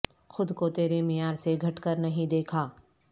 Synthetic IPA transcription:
xʊd̪kot̪eːɾemɪjaːɾseɡʱɐʈkəɾnɐɦĩd̪eːkʰaː

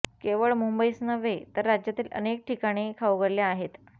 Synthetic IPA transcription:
keʋəɭmumbəisnəʋet̪əɾːad͡ʑjat̪iːlʔə̰nek̚ʈikaɽ̃ikʰauɡəɾljaːɦet̪

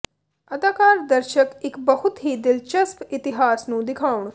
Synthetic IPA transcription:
ɐd̪aːkaːɾd̪ɐɾʃəkɪkbɐɦʊt̪ɦid̪ɪlt͡ʃɐspɪt̪ɪɦaːsnũːd̪ɪkʰaːʊɳ̃

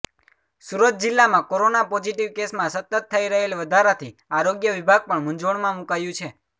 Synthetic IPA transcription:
suɾət̪̚d͡ʒɪlːamãkoɾonapɔd͡ʒiʈiʋkesmãsət̪ət̪ʰːəiɾəɦelʋəd̪ʱaɾat̪ʰiaɾoɡjəʋibʱaɡ̚pəɳmũɲd͡ʒʋəɭmãmukajũt͡ʃʰe

